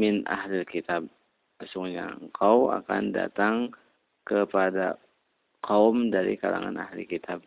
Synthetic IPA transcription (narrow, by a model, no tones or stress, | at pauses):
mɪnʔa̰hlɪlkit̪ab̚ | asʊŋɲaəŋkʰawa̰kanda̰t̪aŋ | kəpada | qʰawmdaɾikala̰ŋa̰na̰hlḭkit̪ʰab̚